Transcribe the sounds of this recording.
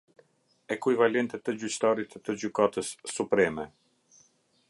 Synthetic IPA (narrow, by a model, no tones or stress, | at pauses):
ɛkujvalɛnt̪ɛt̪əd͡ʑyt͡ɕt̪aɾit̪ːəd͡ʑykat̪əsːupɾɛmɛ